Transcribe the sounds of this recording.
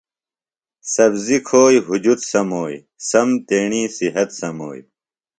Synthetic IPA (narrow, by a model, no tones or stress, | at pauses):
sɐbzikʰoːjɦud͡ʑut̪sɐmoːj | sɐmt̪eːɳiːsiɦɐt̪sɐmo̰ːj